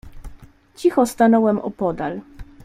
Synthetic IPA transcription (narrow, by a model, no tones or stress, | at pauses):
t͡ɕixɔst̪anɔwɛmʔɔ̰pɔd̪al